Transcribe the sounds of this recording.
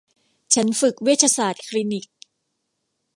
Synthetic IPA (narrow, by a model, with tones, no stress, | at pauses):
t͡ɕʰa˦˥nfɯ˨˩k̚wi˦˥˩t̪̚ʰa˧saː˨˩t̪̚kʰli˧˥ni˨˩k̚